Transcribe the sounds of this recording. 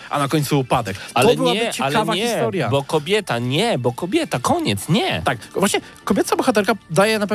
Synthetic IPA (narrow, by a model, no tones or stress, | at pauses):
ʔa̰nakɔɲt̪suːpad̪ɛkalɔɛbɘwɲaɛɨt͡ɕɛalavaxɛist̪ɔɾʲjabɔkɔbʲjɛt̪aɲɛbɔkɔbʲjɛt̪akɔɲɛt̪sɲɛt̪akvwaɕɲɛ | kɔbʲjɛt̪sabɔxat̪̬ɛɾkad̪ajɛnap̬ɛ